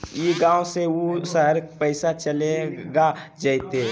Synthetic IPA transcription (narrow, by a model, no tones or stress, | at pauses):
jiɡãːoseosəɦəɾpəɪsat͡ʃəleɡad͡ʒaɪt̪e